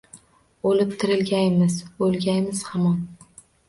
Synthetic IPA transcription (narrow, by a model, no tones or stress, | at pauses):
olɪp̚t̪ʰɪɾɪlɡʲajmɪzolˠɡʲajmɪz̥hamɒn